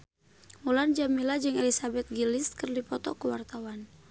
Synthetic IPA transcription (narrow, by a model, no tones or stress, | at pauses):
muland͡ʒamilad͡ʒɨŋɛlisabɛt̪̚ɡiliskərdipɔt̪ɔkəwart̪awan